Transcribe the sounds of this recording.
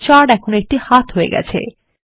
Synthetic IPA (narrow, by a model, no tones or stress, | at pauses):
t͡ɕaɖɛkʰonoek̚ʈihat̪ɦoḛɡɛ̰t͡ɕʰḛ